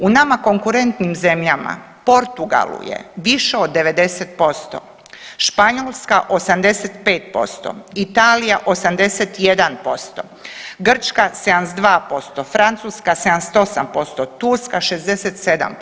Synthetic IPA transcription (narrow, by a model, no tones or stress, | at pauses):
unamako̞ŋkuɾe̞nt̪nimze̞mʎama̰ | po̞ɾt̪uɡa̰lṵjḛʋiʃeod̪ːe̞ʋe̞d̪e̞set̪̚po̞st̪o̰ | ʃpaɲolˠskaʔo̞samd̪e̞set̪peːt̪̚po̞̰st̪o̰it̪aːlijaʔo̞samd̪e̞set̪je̞d̪anpo̞st̪o̰ | ɡr̩t͡ʃkased̪ansd̪ʋaːpo̞st̪ofɾant̪suːskase̞d̪anst̪o̞sampo̞st̪ot̪uɾskaʃe̞zd̪e̞set̪se̞d̪a̰m